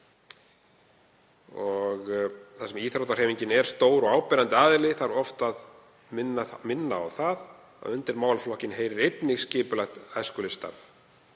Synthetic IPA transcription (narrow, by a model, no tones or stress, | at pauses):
ɔɣθasɛmiːθɾawt̪ar̥hɛjmiɲcɪnɛɾ̥st̪oːwɾɔɣawpɛɾant̪ɪaːðɪlɪθaɾɔft̪að | mɪnːamɪnːa̰ːwθað | a̰ðʏnt̪ɪɾmaːwlflɔhcɪnɦeːjɾɪɾejt̪nɪxscɪːpʏlajxt̪ajskʏlɪst̪a̰ɾf